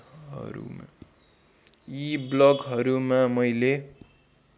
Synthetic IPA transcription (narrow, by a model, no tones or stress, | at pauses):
ɦʌ̰ɾṵma̰ | iblʌɡɦʌɾumamʌjle